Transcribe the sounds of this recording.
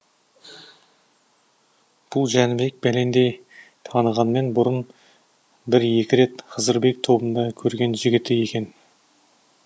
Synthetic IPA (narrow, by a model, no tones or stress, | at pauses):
b̥ʊlˠʒænɪbe̞k̚bæle̞nd̪e̞j | t̪ʰɑnəʁɑnme̞nbʊɾən | bɪɾje̞kʲɪɾe̞t̪qʰəzəɾbe̞k̚t̪ʰo̞bənd̪ɑkʲʰɵɾɡʲe̞nʒɪɡʲɪt̪ɪje̞kʲe̞n